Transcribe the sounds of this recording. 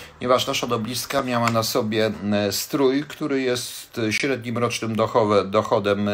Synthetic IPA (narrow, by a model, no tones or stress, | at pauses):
pɲɛvaʂnaʂad̪ɔblʲiskamʲjawanasɔbʲjɛst̪ɾujkt̪uɾɘjɛst̪ɕɾɛd̪ɲimɾɔt͡ʂnɘmd̪ɔxɔvɛd̪ɔxɔd̪ɛm